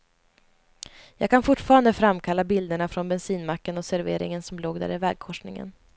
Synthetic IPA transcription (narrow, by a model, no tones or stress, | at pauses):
jɑːɡ̚kʰanfʊʈːfɑːɾand̪əfɾamkʰalːabɪld̪əɳafɾɔnbɛnsiːnmakːənɔsæɾvḛːɾɪ̰ŋənsɔmloːɡd̪æ̰ːɾɪvɛ̰ːɡ̚kʰɔʂnɪŋə̰n